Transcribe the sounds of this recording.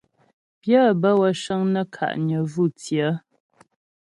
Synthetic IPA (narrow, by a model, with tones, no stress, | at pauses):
pjə˦˨bə˦wə˨ʃə˦ŋnə˦kʰa̰˨ʔɲə˨vu˦˨t͡sjə˨˦